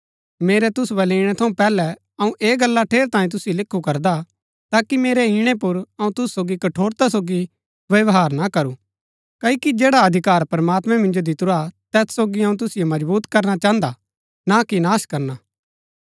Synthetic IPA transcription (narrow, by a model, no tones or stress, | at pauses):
meːɾɛt̪ʊsbɐliːɽ̃ɛt̪ʰɐũpɛːlɛ | ɐũʔeːɡɐlːaʈʰeːɾt̪aːĩt̪ʊsɪjolɪkʰːukɐɾd̪a | t̪aːkimeːɾɛɦiɽ̃epʊɾɐũt̪ʊsːoːɡikɐʈʰoːɾt̪as̬oːɡi | ʋɐʋɦaːɾnakɐɾu | kɐikid͡ʒeːɽaɐd̪ʱɪkaːɾpɐɾmaːt̪mɛ̃mɪ̃nd͡ʒod̪ɪt̪ʊɾat̪ɛːssoːɡiɐũt̪̬ʊsɪjomɐd͡ʒbuːt̪kɐɾnat͡ʃaːə̃nd̪a | nakinaːʃkɐɾna